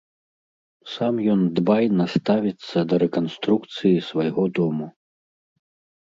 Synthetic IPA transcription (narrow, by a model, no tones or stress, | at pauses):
samjɔnd̪bajnast̪avʲit̪sːɐd̪ɐɾɛkanst̪ɾukt̪sɨjisvajɣɔd̪ɔmu